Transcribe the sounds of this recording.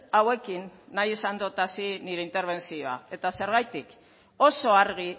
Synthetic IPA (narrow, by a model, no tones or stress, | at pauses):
awe̞kinːajesand̪ot̪asiniɾe̞int̪e̞ɾβ̞e̞nsioa̰e̞t̪ase̞ɾɣajt̪ik | o̞so̞aɾɣ̞i